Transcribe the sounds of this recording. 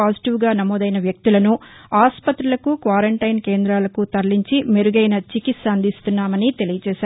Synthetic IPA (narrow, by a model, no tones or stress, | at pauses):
aːsi̥ʈiʋɡaːnɐmɔːd̪ɐjnɐʋjɐk̚t̪ilɐnuaːspɐt̪ɾulɐkukʋaːɾɐɳʈɐjnke̞ːnd̪ɾaːlɐkut̪ɐɾliɲt͡ʃimeɾuɡɐjnɐt͡ʃikit̪sɐɐnd̪ist̪unːaːmɐnit̪e̞lijɐt͡ʃɛːʃaːɾ